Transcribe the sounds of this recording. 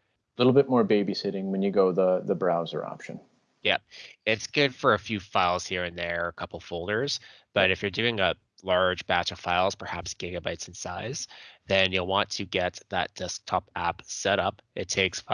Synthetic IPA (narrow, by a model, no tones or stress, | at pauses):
əlɪɾl̩ˠbɪt̚mɔɹbeɪbisɪɾɪ̃ŋwɨ̃njɨɡoʊðəðɨbɹaʊzə̰˞ɑ̰pʃɨ̰̃n | jɛp̚ɪtsɡ̥ʊd̥fə˞ɨfjʉfaɪlˠz̥hiɹɨ̃nðə˞kʰʌpl̩ˠfoʊlˠdə˞z̥ | b̥ʌɾɨfjə˞dʉɪ̃ŋə | lɑɹd͡ʒbæt͡ʃʌv̥faɪlˠz̥pʰə˞hæpsɡ̥ɪɡɨbaɪtsn̩saɪz̥ðɨ̃njɨlˠwɑ̃ntʰɨɡɛt̪̚ðə̰t̚d̥ɛsk̚tʰɑpæ̰psɛɾʌpʔɨtʰeɪks